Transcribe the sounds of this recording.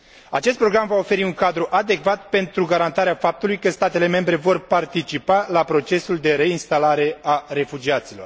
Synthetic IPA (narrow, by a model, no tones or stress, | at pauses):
a̰t͡ʃest̪̚pɾo̞ɡɾamvao̞fe̞ɾiuŋkad̪ɾuʔad̪e̞kvat̪̚pe̞nt̪ɾuɡaɾant̪aɾeafap̚t̪ulujkəst̪at̪e̞le̞me̞mbɾe̞vo̞rpart̪it͡ʃipalapɾo̞t͡ʃe̞suld̪e̞ɾe̞inst̪alaɾe̞are̞fud͡ʒiat̪silo̞r